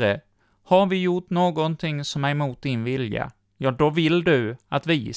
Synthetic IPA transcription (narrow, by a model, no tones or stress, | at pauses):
ɾə | haɾvɪjʊʈːnoːɡɔnt̪ʰɪŋsɔmæɾmuːt̪̚d̪ɪnvɪlja̰ | jɑːd̪ɔvɪld̪ɵat̪vɪ